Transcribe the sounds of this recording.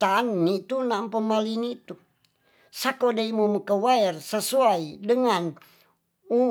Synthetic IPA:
t̪anːit̪unampəmalinit̪u | sakodaimuməkəwaɛrsəsuaidəŋan | u

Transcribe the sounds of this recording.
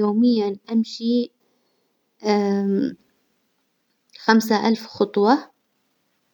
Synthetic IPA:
oːmɪjːanʔamʃi | xams̬aʔalfxɑt̪ˤwɑ

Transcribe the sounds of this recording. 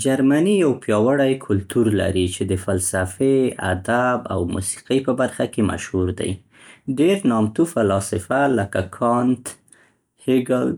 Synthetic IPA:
d͡ʒaɾmanijawpjɑwaɽajkʰʊlt̪uɾla̰ɾit͡ʃed̪əfalsafea̰d̪aba̰wmṵsi̥qipəbaɾxakema̰ʃhuɾd̪a̰j | ɖeɾnɑmt̪ufalɑsɪfaləkakʰɑnt̪ | hɪɡal

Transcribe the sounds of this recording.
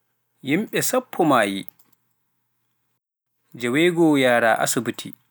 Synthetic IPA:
jimɓɛsapʰːɔmaːjḭ | d͡ʒɛwɛɡɔːjaːɾaːʔa̰subutʰḭ

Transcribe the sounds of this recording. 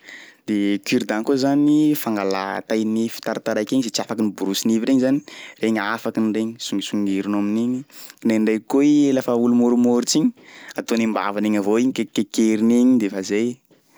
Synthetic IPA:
d̪̥ekyɾid̪ankozanifaŋɡala̰t̪ajnifi̥t̪aɾat̪aɾajkʲeɲizet͡siafakinibuɾusiniviɾeɲizani̥reɲafakinreɲisuŋɡisuŋɡeɾunaminiɲinenɖ͡ʐejkoielafaulumoɾumoɾt͡siɲi̥at̪onimba̰vaneɲavoiɲikekekeɾiniɲid̪efazej

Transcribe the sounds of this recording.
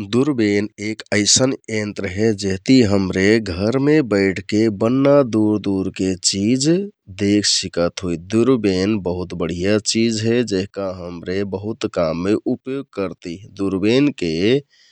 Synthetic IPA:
d̪uɾbenekəɪsənent̪ɾəɦed͡ʒeɦt̪iɦəmɾeɡʱəɾmebəɪʈʰkebənːad̪uɾd̪uɾket͡ʃid͡ʒd̪ekʰsikət̪ɦojd̪uɾbenbəɦut̪bəɽ̤ijat͡ʃid͡ʒɦɛd͡ʒeɦkaɦəmɾebəɦut̪kamːeʔupjoɡ̚kəɾt̪id̪uɾbenke

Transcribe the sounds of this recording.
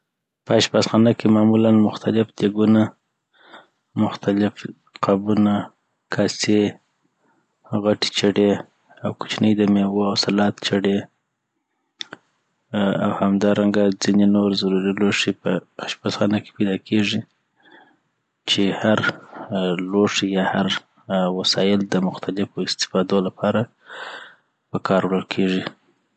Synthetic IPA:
pəaʃbasxɑnakemɑmulanmʊxt̪alɪfd̪eɡuna | mʊxt̪alɪf | qabuna | kʰase | ɣaʈe̥t͡ʃaɽe | awkʊ̥t͡ʃnəjd̪amewoawsalɑt̪t͡ʃaɽe | a̰whamd̪ɑɾaŋɡad͡zinenoɾzaɾuɾiloʂepəaʃpasxɑnake̥pajd̪ɑkʰeʐi | t͡ʃehaɾ | loʂjɑhaɾ | wasɑjɪld̪əmʊxt̪ʰalɪfoɪst̪ɪ̥fɑd̪olapʰɑɾa | pəkʰɑɾwɽəlkʰeʐi

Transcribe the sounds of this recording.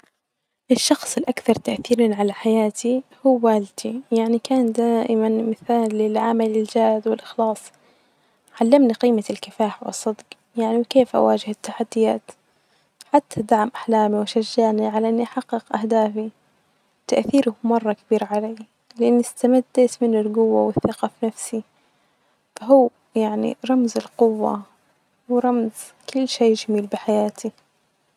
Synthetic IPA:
ʔɪʃːɑxsˤɪlʔakθɑɾˤt̪aʔθiːɾanʕalaħajaːt̪ihuːaːld̪ijaʕnikaːnd̪aːʔɪmanmɪθaːlːɪlʕamalɪld͡ʒaːd̪wɪlʔɪxlɑːsˤ | ʕalːamniqiːmalkɪfaːħwɨ̰sˤːɨd̪q | jaʕniwkeːfʔa̰waːd͡ʒɪhɪt̪ːaħad̪ːɪjaːt̪ | ħat̪ʰːad̪aʕmʔaħlaːmiwʃaʒːaːniʕalaʔɪnːiʔaħaqːɪqʔahd̪aːfi | t̪aʔθiːɾʊmɑrˤːɑkabiːɾʕaleː | lɪʔanːɪst̪amad̪ːat̪mɪnːɪlɡʊwːawɪθaqɑfnafsi | faɦuː | jaʕnḭɾˤɑmzɪlqʊwːa̰ | wɪɾˤɑmz | kʊlːʃeːd͡ʒamiːlbɪħajaːt̪ʰi

